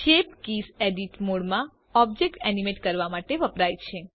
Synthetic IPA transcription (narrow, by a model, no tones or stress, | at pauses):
ʃepkiseɖiʈmoɽmã | ɔbd͡ʒek̚ʈɛnimeʈkəɾʋamaʈeʋəpɾajt͡ʃʰe